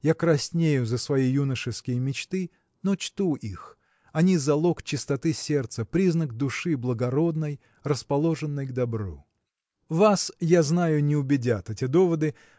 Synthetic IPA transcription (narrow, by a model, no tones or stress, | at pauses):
jakɾɐsʲnʲejʊzəsvɐjijunəʂɨskʲɪjəmʲɪt͡ɕt̪ɨ | not͡ɕt̪uʔix | ɐnʲizɐlˠo̞kt͡ɕɪst̪ɐt̪ɨsʲert̪səpɾʲiznəkd̪ʊʂɨblˠəɡɐɾo̞d̪̚nəj | rəspɐlˠo̞ʐɨnːəjɡd̪ɐbɾṵ | vasjaznajʊnʲɪʊbʲɪdʲat̪ɛtʲɪd̪o̞vəd̪ɨ